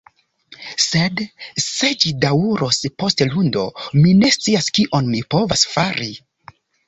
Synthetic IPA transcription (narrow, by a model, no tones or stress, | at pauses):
sedse̞d͡ʒidawuɾospo̞stelundo̞̰mine̞stt͡siaskiʔo̞nmipo̞vasfaɾi